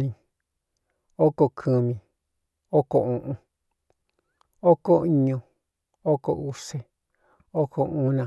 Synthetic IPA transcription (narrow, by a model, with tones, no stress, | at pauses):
nĩ˧ | o˦ko˧kʰɨ˨˧mĩ˧ | o˦ko˨ũ˨ʔũ˧ | o˦ko˦i˧ɲõ˧ | o˦ko̰˧˨ʔu˦se˧ | o˦kʰo˧ũ˦nã˨